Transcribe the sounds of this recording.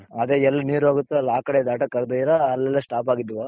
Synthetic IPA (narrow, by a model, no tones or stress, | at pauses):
ɐd̪eɛlːɐniːɾuaːɡut̪ːeɐlːaːkɐɽed̪aːʈɐkːɐɾd̪ɐiɾɐːlːɛlːesʈaːpaːɡid̪ɐʋa